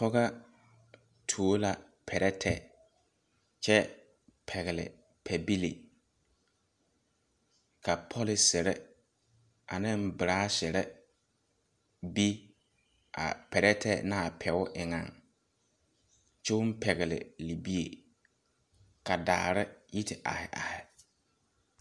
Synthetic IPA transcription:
pɔ˦ɣa˦ | tʰu˨o˦la˨ | pʰɛ˨ɾɛ˦tʰɛ˦ | t͡ʃɛ˦ | pʰɛ˨ɣɪ˨lɪ̰˨ | pʰɛ˨bi˦lḭ˨ | kʰa˨pʰɔ˦lɪ˨sɪ˨ɾɛ˦ | a˨nɪ̃˦m˦bɪ˨ɾaː˦sɪ˨ɾɛ˦ | bi˦ | a̰˨pʰɛ˨ɾɛ˦tʰɛ˦na˦˨pʰɛ˨ʊ˦ʔɪ˨ŋa˨ŋ | t͡ʃɛ˦ʊ˦m˦pʰɛ˨ɣɪ˨lɪ̰˨li˨bi˦e˨ | ka˨daː˨ɾɪ˦ji˦tʰɪ˨ʔa̰˨hɪ˨ʔa̰˨hɪ˨

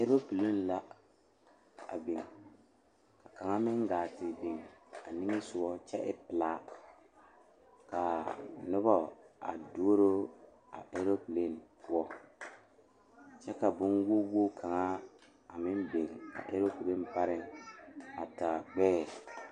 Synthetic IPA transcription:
e˦ɾo˦pi˨le˦nla˦ | a̰˨be˨ŋ | ka˨ka˨ŋa˦mɪ˦ŋɡaː˨tɪ˨be˨ŋa˨nɪ˦ŋɪ˦sʊ˨ɔ˦t͡ʃɛ˦ʔɪ˦pɪ˨laː˦ | ka˨nʊ˦bɔ˦a̰˨do˦o˦ɾo˦ | a̰˨ʔe˦ɾo˦pɨ˨le˦˨npʰʊ˦ɔ˦ | t͡ʃɛ˦ka˨bʊ˦nwo˦wo˦kʰa˨ŋa˦ | a˨mɪ˦n˦be˨ŋa̰˨ʔe˦ɾo˦pi˨le˦m˦pa˦ɾɪ˨ŋ | a˨ta˨ɡ͡bɛː˦ɛ˨

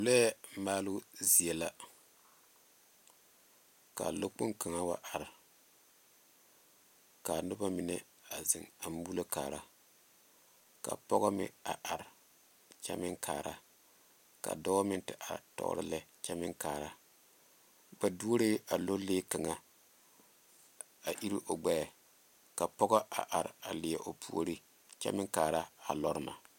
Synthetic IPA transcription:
lɛ˦maː˦lu˦zi˨ɛ˨la˦ | ka̰˨lo˦k͡po˦ŋka˨ŋa˦wa˦ʔa˨ɾ | ka˨nʊ˦ba˦mi˨nɛ˦ | a˨zɪ˨ŋa˨m˦u˦la˦ka̰ː˨ɾa˦ | ka̰˨pɔ˦ɣɔ˦mɪ̰˨a˨ʔa˨ɾ | t͡ʃa̰˦mɪ˦ŋkʰa̰ː˨ɾa˦ | ka̰˨dɔ˦mɪ˦ntɪ˨ʔa˨tɔ̰˦ɾɪ˦lɛ˦t͡ʃɛ˦mɪ˦ŋkaː˨ɾa˦ | ba˨du˦o˦ɾe˦a˨lo˦leː˦ka˨ŋa˨ | a˨ʔi˦ɾi˦ʔo˨ɡ͡bɛ˦˨ | ka˨pɔ˦ɡɔ˦ʔa˨ʔa˨ɾa˨lɪ˨jɛ˨ʔo˨pʰu˦o˦ɾi˦ | t͡ʃɛ̰˦mɪ˦ŋkaː˨ɾa˦a˨lɔ˦ɾɨ˦ma˨

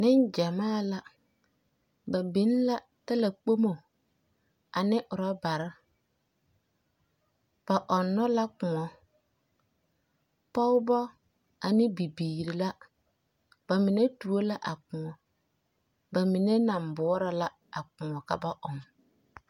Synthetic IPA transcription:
nɪ˦nd͡ʒa˨maː˦˨la˦ | ba˨bɪ˨˦n˦la˦ | ta˦la˨k͡po˦mo˨ | a˨nɪ˦ʔʊ˨ɾa˦ba˨ɾɪ˦ | b̥a˨ʔɔ˨nːɔ˦la˦kʊ˨ŋɔ˨ | pɔ˦ʊ˦bɔ˦ | a˨nɪ˦bi˨biː˨ɾɪ˨la˦ | b̥a˨mɪ˨ne˦tu˨o˦la˦ʔa˨kʊ˨ŋɔ˨ | ba˨mɪ˨ne˦na˨mbɔː˨˦ɾa˨la˦ | a˨kʊ˨ŋɔ˨ka̰˦ba˦ʔʊ˨m

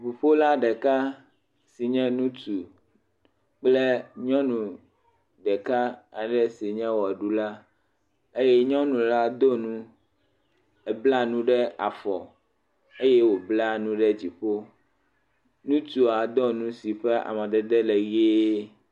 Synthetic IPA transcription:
ɸu˨ɸo˦la˦ɖɛ˨ka˦ | si˨ɲɛ̃˦nũ˦t̪u˨ | k͡plɛ˦ɲɔ̃˦nũ˨ | ɖɛ˨ka˦a˨ɖɛ˦si˨ɲɛ̃˦wɔ˨a˨ɖu˦la˦ | e˦jɛ˦ɲɔ̃˦nũ˨la˦d̪o˦nũ˦ | ɛ˨bla˦nũ˦ɖɛ˦a˨fɔ˨ | e˦jɛ˦wo˨bla˦nũ˦ɖɛ˦d͡ʑi˨ɸo˦ | nũ˦t̪u˨a˨d̪ɔ˦nũ˦si˨ɸɛ˦a̰˨mɛ̃˨d̪ɛ˨d̪ɛ˦lɛ˨ɣeː˦

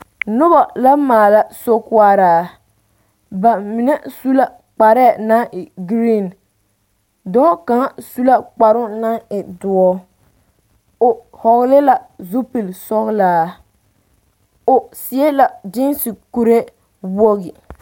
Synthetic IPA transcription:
nʊ˦ba˨la˦maː˨la˦so˦kwa˦ɾaː˨ | ba˨mi˨nɛ˦su˦la˦ | k͡pa˨ɾɛ˦˨na˦ŋʔɪ˨ɡɾi˦˨n | dɔː˦ka˨˦su˦la˦k͡pa˨ɾʊ˦na˦ŋɪ˨dʊ˨ɔ˦ | ʊ˨hɔ˨ɣlɪ˦la˨zu˦pi˨lsɔ˦ɣlaː˦ | ʊ˨sɪ˨ɛ˦la˨d͡ʒɪ˦nsi˨ku˨ɾe˦ | bo˦ɣɪ˨

